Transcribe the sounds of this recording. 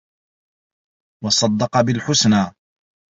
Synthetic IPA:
wɑsˤɑd̪ːɑqɑbɪlħʊsnaː

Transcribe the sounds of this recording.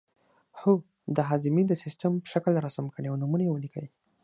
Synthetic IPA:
ho | d̪əɦɑzɪmid̪əsɪstəmpə̥ʃaklɾasamkəɽeawnumunajewəlikʰə̰ji

